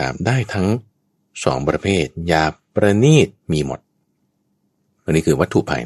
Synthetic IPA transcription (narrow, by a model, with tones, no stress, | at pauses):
a̰ː˩˦mdaː˥˩jt̪ʰa˦˥ŋ | sɔ̰ː˩˦ŋpɾa˧pʰeː˥˩t̪̚jaː˧pɾa˧niː˥˩t̪̚miː˧mo̰˨˩t̪̚ | wa˧nːiː˦˥kʰɯː˧wa˦˥t̪ʰːu˨˩pʰa̰˧j